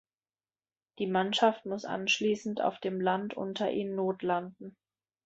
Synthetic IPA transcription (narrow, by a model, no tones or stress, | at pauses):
d̥iːmanʃaftmʊsʔa̰nʃliːsn̩ta̰ʊfd̥eːmlantʔʊ̰ntʰɐʔḭːnːoːtland̚n̩